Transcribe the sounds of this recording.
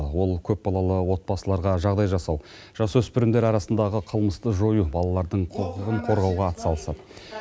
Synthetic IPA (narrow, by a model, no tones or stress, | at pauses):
wo̞lˠkʲʰɵp̚bɑlˠɑlˠəwo̞t̪̚bɑsəlˠɑɾʁɑʒɑʁd̪ɑjʒɑsɑw | ʒ̥ɑsɵspʏɾɪnd̪eɾɑɾɑsənd̪ɑʁəqʰəlˠməst̪əʒo̞jubɑlˠɑlˠɑɾd̪əɴqʰoqəʁəɴqʰo̞ɾʁɑwʁɑːt̪ə̥sɑlˠəsɑd̪ə